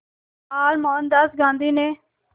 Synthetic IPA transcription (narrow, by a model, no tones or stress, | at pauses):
aːlmɔːnd̪əsɡãːnd̪iːneː